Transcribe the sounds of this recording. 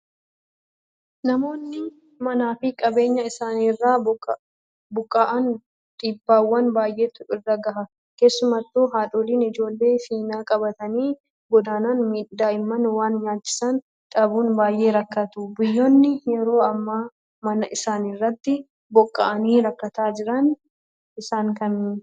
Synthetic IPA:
nɐmo̞ːnːɪ | mɐnaːfɪkʼɐbe̞ːɲːɐɪsaːnɪrːaː | bʊkʼːaʔɐn | t̪ʼiːbːaːwːɐnbaːjʔe̞ːt̪ʊɪrːɐɡɐɦɐ | ke̞ːsːʊmɐt̪ːoːɦaːᶑoːliːnɪd͡ʒo̞ːlːe̞ːfiːnaːkʼɐbɐt̪ɐniː | ɡɔd̪aːnanmiːd̪ːaːɪmːɐnwaːnɲaːt͡ʃːɪ̥sɐn | ᶑʼɐbuːnbaːjʔe̞ːɾɐkːɐt̪ʊbʊjːoːnːɪjɛɾo̞ːɐmːaː | mɐnɐʔɪsaːnɪrːɐt̪ːɪ | bɔkʼːa̰ʔɐniːɾɐkːɐt̪aːd͡ʒɪɾɐn | ʔɪsaːŋkɐn

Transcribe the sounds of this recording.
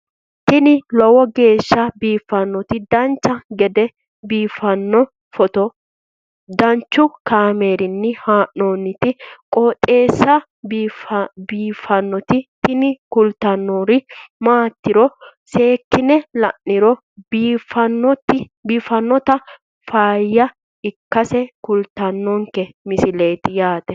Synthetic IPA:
t̪ɪnɪlɔwɔɡe̞ːʃːɐbiːfːɐnːɔt̪ɪd̪ɐnt͡ʃːɐɡɛd̪ɛ | biːfɐnːɔ | fɔt̪ɔ | d̪ɐnt͡ʃːʊkaːme̞ːɾɪnːɪhaːʔːoːnːɪt̪ɪkʼɔːt̪ʼe̞ːsːɐ | b | biːfɐnːɔt̪ɪt̪ɪnɪkʊlt̪ɐnːoːɾɪmaːt̪ːɪɾɔse̞ːkːɪnɛlɐ̰ʔːɪɾɔː | fɐnːɔt̪ɪ | biːfɐnːɔt̪ɐ | faːjːɐ | ɪkːɐsɛkʊlt̪ɐnːɔŋkɛmɪsɪle̞ːt̪ɪjaːt̪ɛ

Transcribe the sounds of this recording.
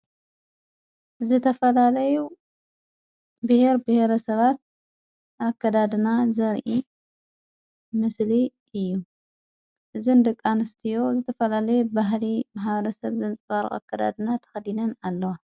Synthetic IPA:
zɨt̪ʰɐfɐlalɐju | bɨheɾbɨheɾɐsɐβat̪̚ | ʔakʰːɐd̪ad̪ɨnazɐɾʔi | mɨsli | ɨjːu | ʔɨzɨnd̪ɨkʼːanɨst̪ʰijo̞zɨt̪ʰɐfɐlalɐjubaɦlimaħβɐɾɐsɐβzɨnt͡sʼɨfaɾ̰xa̰kʰːɐd̪a̰d̪ɨnat̪ʰɐ̥xɐd̪inɐnalːɐwa

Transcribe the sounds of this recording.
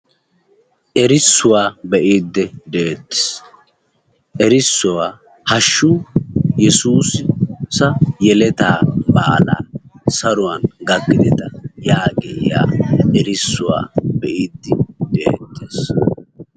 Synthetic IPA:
ʔɛɾɪsːʊwaːbɛʔiːd̪ːɛd̪eːt̪ːɪ̥s | ʔɛɾɪsːʊwa | hɐʃːujɛsuːsɪsɐjɛlɛt̪aːbaːla̰ːsɐɾʊwɐnɡɐɡːɪd̪ɛt̪ɐjaːɡɛɪ̰ja̰ːʔɛɾɪsːʊwa̰ːbɛʔiːd̪ːɪd̪eːt̪ːeːs

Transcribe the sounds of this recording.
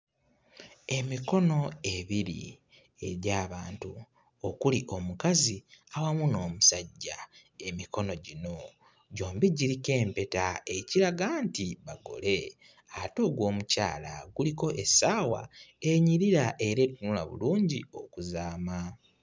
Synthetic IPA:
e̞miko̞no̞e̞βiɾḭ | e̞̰ɾjaːβaːntu | okuliʔo̞mukaziawamuno̞ːmusaɟːaemiko̞no̞ɟino̞ | ɟo̞ːmbiɟiɾike̞ːmpe̞tae̞ciɾaɡantiβaɡo̞̰le̞ | ato̞ːɡwo̞ːmuca̰ːla̰ɡuliko̞ʔesaːwa̰e̞ɲiɾiɾaʔe̞ɾe̞tunula̰βṵluːɲɟio̞kuzaːma

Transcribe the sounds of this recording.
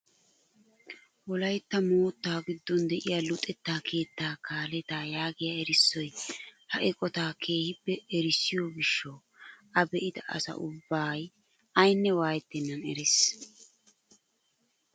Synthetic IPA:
wɔlɐjt̪ːɐmoːt̪ːaːɡɪd̪ːɔnd̪ɛʔɪjaːlʊt̪ʼːɛt̪ːaːkʰe̞ːt̪ːaːkaːlɛt̪aːjaːɡɪjaɛɾɪsːɔjhɐʔɛkʼɔt̪aːkʰe̞ːhɪpːɛɛɾɪsːɪjɔɡɪʃːɐw | ɐbɛʔɪd̪ɐʔɐ̰sɐ̰ʔʊbːaːj | ɐjnːɛwaːjɛt̪ːɪnːɐnɛɾɪs

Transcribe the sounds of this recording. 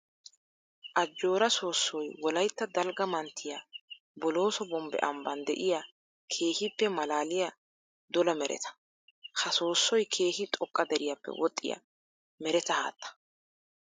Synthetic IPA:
ʔɐd͡ʒːo̞ːɾɐso̞ːsːɔjwɔlɐjt̪ːɐd̪ɐlɡɐmɐnt̪ʰːɪja | bɔlo̞ːsɔbɔmbɛ̰ʔɐmbɐnd̪ɛ̰ʔɪja | kʰe̞ːhɪpːɛmɐlaːlɪjɐ | d̪ɔlɐmɛɾʔɛ̰t̪ʰɐ̥ | hɐso̞ːsːɔjkʰe̞ːhɪt̪ʼɔkʼːɐd̪ɛɾɪjɐpːɛ̰wɔt̪ʼːɪ̰ja̰ | mɛɾɛt̪ɐha̰ːt̪ːɐ̥

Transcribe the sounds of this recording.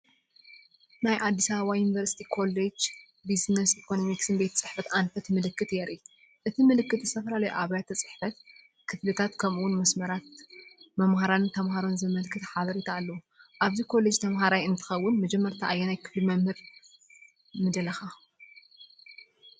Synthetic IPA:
najʔad̪ːisaββwajunivɐɾsi̥t̪ʰikʰo̞led͡ʒ | biznɐsikʰo̞nomiksɨnbet̪ʰɐt͡sʼɨħfɐt̪ʔanfɐt̪mɨlɨkːɨt̪jɛɾʔi | ʔɨt̪ʰimɨlɨkːɨt̪zɨ̥st̪ʰɐfɐlalɐjʔaβajat̪ʰːɐt͡sʼɨ̥ħfɐt̪̚ | kʰɨflɨt̪ʰat̪kʰɐmuwʊnmɐsmɐɾat̪mɐmhaɾant̪ʰɐmhaɾo̞nzɨmɐlkʰɨt̪ħaβɐɾit̪ʰaːlːɐwu | ʔaβzikʰo̞le̞d͡ʒt̪ʰɐmɦaɾajɨnt̪ʰɨ̥xɐwːʊnmɐd͡ʒɛmːɐɾt̪ʰaʔajːenajkʰɨ̥flimɐmhɨɾ | mɨd̪ɐlɐxa

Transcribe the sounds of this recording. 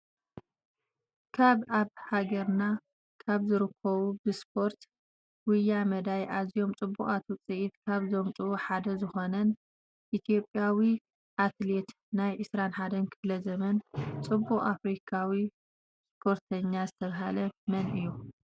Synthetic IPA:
kʰaβaβhaɡɐɾna | kʰaβzɨɾɨkʰːɐβubɨspʰo̞ɾt̪ | wʊjːamɐd̪ajʔazijo̞mt͡sʼɨbːuχʼat̪ʰut͡sʼɨʔit̪kʰaβzomt͡sʼɨβuħad̪ɐzɨxo̞nɐn | ʔit̪ʰijo̞pʼjawi | ʔat̪le̞t̪ | najʕɨsɾanħad̪ɐnkʰɨflɐzɐmɐnt͡sʼɨbːuχʼafɾikʰawi | spʰo̞ɾt̪ʰɐɲːazɨt̪ʰɐβɦalɐmɐnɨjːu

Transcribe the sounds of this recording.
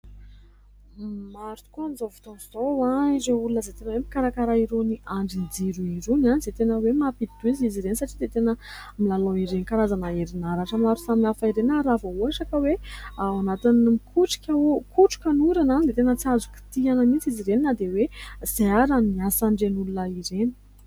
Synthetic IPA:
maɾt̪u̥kuanizovi̥t̪onzowaizeulunəzet̪enəwemikaɾakaɾaiɾoniʔaɳɖ͡ʐind͡ziɾuiɾunanizet̪enəwemapid̪uiziziɾenisaʈ͡ʂid̪et̪enə | milaloiɾenikaɾazanaeɾinaɾaʈ͡ʂəmaɾu̥saminafaiɾenaɾavauaʂakəwewanat̪inmikʰuʈ͡ʂi̥kʲaokuʈ͡ʂu̥kʲanuɾananid̪et̪enət͡siazu̥ki̥t̪ianamit͡siziɾeninad̪ewez̥eaɾamiasaɳɖ͡ʐenulunəiɾeni̥

